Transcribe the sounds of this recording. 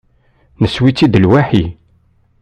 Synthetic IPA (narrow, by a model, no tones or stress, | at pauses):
nəswit͡sːid̪əlwæħi